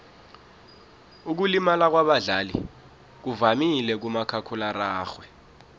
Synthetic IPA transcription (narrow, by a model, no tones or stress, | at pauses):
uk̬ulimalak̬waɓaɮalḭ | k̬uvamilɛk̬umakʰakʰularaːxwɛ